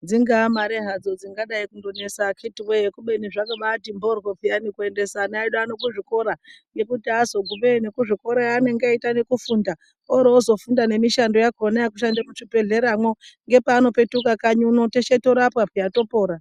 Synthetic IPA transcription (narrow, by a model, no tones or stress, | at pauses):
d͡ziŋɡamaɾeɦad͡zo̞d͡ziŋɡaɗaikundo̞ne̞sakʰitiwejekuɓe̞niʐakaɓatimborwopijanikue̞nde̞sanaiɗoano̞kuʐiko̞ɾaŋɡe̞kutiazo̞ɡʱuɓenekuʐiko̞ɾaane̞ŋɡaitanekufunda | oɾeozo̞fundane̞miʃando̞jakonajakuʃandamuʂibe̞ɮe̞ɾamwoŋɡe̞paːno̞pe̞tukakaɲuno̞teʃetoɾapwapijato̞po̞ːɾa